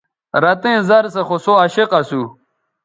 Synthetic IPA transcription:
ɾɐt̪ẽːzɐɾsɐxosoɐɕeqɐsu

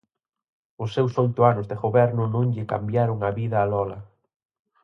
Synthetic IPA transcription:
ʊsːewsojt̪ʊanʊzðeɣoβɛɾnʊnõŋʎɪka̰mbjaɾʊŋaβiðɐːlɔlɐ

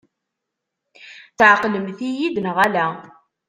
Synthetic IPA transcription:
θʕəqːləmθijid̪nəʁælæ

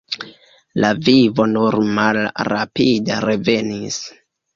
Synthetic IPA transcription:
lavivo̞nuɾmalɾa̰pida̰ɾe̞ve̞nis

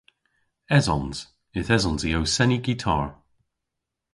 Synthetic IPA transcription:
ɛzɔnz̥ | ɪθɛzɔnziowsɛniɡitʰa̰ːɹ

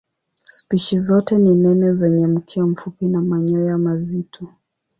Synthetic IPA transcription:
spiʃizɔtɛninɛnɛzɛɲɛm̩kʰiam̩fupinamaɲɔjamazitʰɔ

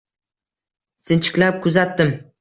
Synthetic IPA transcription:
sɪnt͡ʃʰɪ̥kʲlap̚kʰʊzat̪ːɪm

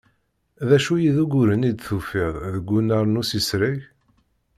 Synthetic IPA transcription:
ðæʃujiðuɡuɾənid̪θufiðˤðəɡʷːunaɾˤnusisɾəʝ

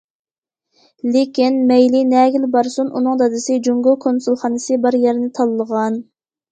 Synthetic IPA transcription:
lekʲinmɛjlinɛːɡʲilbɑɾsunʔṵnɨŋd̪ɑd̪ɨsɪd͡ʒuŋɡulˠkʰonsulˠχɑːnɨsɨbɑɾjɛɾnɪt̪ʰɑlˠːəʁɑn

